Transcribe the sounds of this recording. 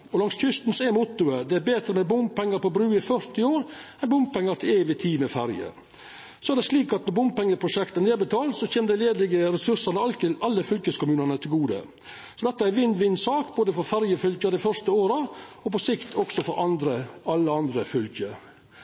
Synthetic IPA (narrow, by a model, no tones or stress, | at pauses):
ɔlɑŋsçʏst̪n̩sɔɛmʊt̪ːʉəd̪ɛæɾbeːt̪ɾəmɛbʊmpɛŋːəɾpɔbɾʉːɪfœɾt̪ɪoːɾɛnbʊm̚pɛŋːəɾt̪ʰɪleːʋɪt̪ʰiːmɛfæɾjə̰ | sɔɛæɾɖ̪ɛʂliːkɑt̪nɔɾbʊmpɛŋːəpʰɾʊʂɛkt̪əneːbət̪ʰɑːlsɔçeːməd̪ɛɪleːd̪lɪɡəɾɛsʉɾsɑnəɑlt̪ɪlʔɑlːəfʏlkəskʰʊmʉːnənət̪ʰɪlɡuːd̪ə̰ | sɔd̪ɛt̪ːɑæɾʋɪnd̪ʋɪnːsɑːkboːd̪əfɔɾfæɾjəfʏlkəd̪ɛɪfœɾʂt̪əoːɾəɔpɔsɪkt̪ʰɔksɔfɔɾʔɑnd̪ɾəɑlːəɑnd̪ɾəfʏlkə